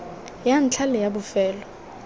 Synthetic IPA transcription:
jan̩t͡ɬʰalɛjabʊfɛːlɔ

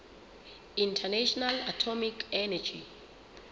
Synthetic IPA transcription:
ĩntʰɛnaʃɔnalatʰɔmikɛnad͡ʒi

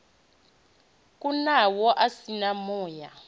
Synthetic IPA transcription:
kʼunawɔʔasinamɔːja

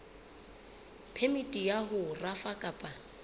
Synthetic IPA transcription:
pʰemitʼijaɦʊrafakʼapʼa

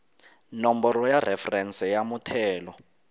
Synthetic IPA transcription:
nombɔɾɔjarɛfɛrɛnsɛjamutʰɛːlɔ

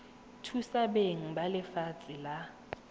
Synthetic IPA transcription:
tʰusabeŋ̩balɪfat͡sʼɪla

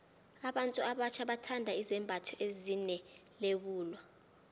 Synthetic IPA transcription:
aɓantʼuaɓat͡ʃʰaɓatʰandʱaizɛmbʱatʰɔezinɛleɓuːlwa

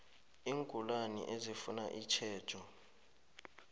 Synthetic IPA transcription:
iːŋkʼulanḭʔezifunaʔit͡ʃʰɛːd̥ʰʼʱɔ

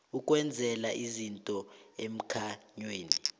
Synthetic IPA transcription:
ukʼwɛnd͡zʱɛlaʔizintʼɔem̩kʰaɲweːni

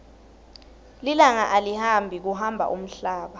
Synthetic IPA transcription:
lilaŋaʔalihambʱik̬uɦambʱa̰ʔum̩ɬaːɓa

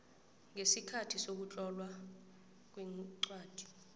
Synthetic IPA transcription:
ŋesikʰatʰisok̬ut͡ɬʼɔlwa | k̬wiǀwaːd̥ʱi̥

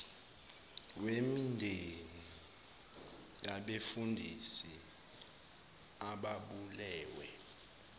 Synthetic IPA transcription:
wemindʱeni | jaɓefundʱisi | aɓaɓulɛːwɛ

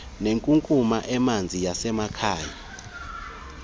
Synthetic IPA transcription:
neŋkʼuŋkʼumaʔɛmand͡zʱijasɛmakʰaːja

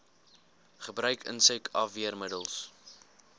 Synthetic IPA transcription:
χəbrœɥkə̰nsəkʰɐfviərmədəlˠs

